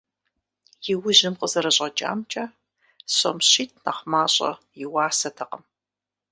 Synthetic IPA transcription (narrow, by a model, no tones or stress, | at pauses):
jɪwʊʑɪmqʼəzɐɾɐɕʼɐt͡ʃʼa̰ːmt͡ʃʼaː | ɕɐ̰mɕiːtʰnɐχmaːɕʼɐ̰ | jɪwaːsɐtʰɐqəm